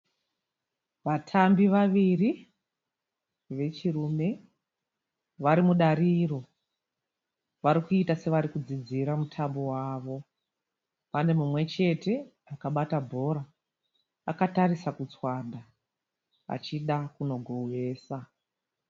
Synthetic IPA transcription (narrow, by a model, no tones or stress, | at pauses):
ʋatʰambiʋaʋiri | ʋe̞t͡ʃirume̞ | ʋaɾimuɗaɾiːro̞ | ʋaɾikuitase̞ʋaɾikud͡zid͡ziɾamutʰambo̞waːʋo̞ | pane̞mumwe̞t͡ʃe̞te̞ | akaɓatabʱo̞ɾaː | kataɾisakut͡swada | a̰t͡ʃiɗakuno̞ɡʱowe̞ːsa